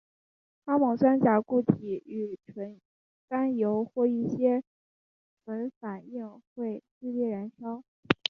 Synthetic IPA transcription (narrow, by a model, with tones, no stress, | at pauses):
ka˥mɑ˨˩ŋswa˥nt͡ɕja˧˥ku˥˩t̪ʰi˨˩y˨˩ʈ͡ʂʰwə˧˥n | ka˥njo˧˥ʊxwɔ˥˧i˥˩ɕjɛ˥ | ə˧˥fa˨˩ni˥˧ŋxwe˥˧ɪt͡ɕi˥˧ljɛ˥˩ɻa˧˥nʂɑ˥ʊ